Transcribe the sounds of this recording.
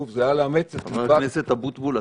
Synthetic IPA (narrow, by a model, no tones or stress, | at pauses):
ufzeajaleamet͡set̪avaneset̪abut̪bula